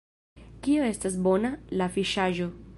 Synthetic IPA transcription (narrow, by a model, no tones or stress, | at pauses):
kioe̞stas̬bo̞nalafiʃaʒo̞